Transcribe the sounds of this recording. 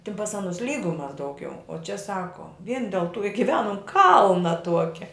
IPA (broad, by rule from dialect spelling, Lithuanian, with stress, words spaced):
tʲɪn pɐs ˈɑːnʊs lʲˈiːɡʊmɐs dɐʊˈɡʲɛʊ oː t͡ʃʲɛ ˈsɑːkoː ʋʲiɛn dʲɛlˠ tʊ ɪ ɡʲɪˈʋʲæːnʊm ˈkɐlˠnɐ ˈtuɔkʲɛ